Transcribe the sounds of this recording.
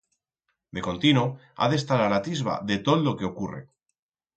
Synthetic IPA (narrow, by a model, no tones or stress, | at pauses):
d̪eko̞nt̪ino | a̰ðe̞st̪aɾalat̪izβa̰ðe̞t̪oðlokeokurḛ